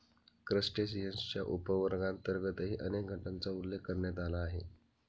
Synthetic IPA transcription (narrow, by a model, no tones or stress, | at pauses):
kɾəsʈes̬iɦənst͡ɕja̰ʔupəʋəɾɡãnt̪əɾɡət̪əɦiʔənek̚ɡʱəʈant͡saulːekːəɾɳjat̪alaːɦḛ